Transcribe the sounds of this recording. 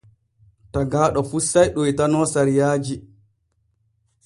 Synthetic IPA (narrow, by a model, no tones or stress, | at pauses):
taɡaːɗɔfusːajɗɔitanɔːsaɾijaːd͡ʒi